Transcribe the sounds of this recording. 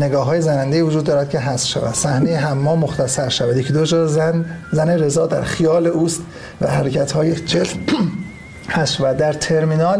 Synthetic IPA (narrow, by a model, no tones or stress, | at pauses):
ne̞ɡɒːɦɒːjezænænd̪eiːvod͡ʒuːd̪ːɒːɾæd̪̚cʰe̞ɦæsʃæ̰væ̰d̪̥sæhnejeɦæmːɒːmoxt̪ʰæsæɾʃævæd̪jecʰid̪od͡ʒɒːnzæneɾe̞zɒːd̪æ̰ɾχijɒːle̞ʔuːst̪ | væ̰hæɾecʰæt̪hɒːjed͡ʒelt̪ | hæsʃævæd̪̚d̪ːæɾt̪ʰe̞ɾminɒːl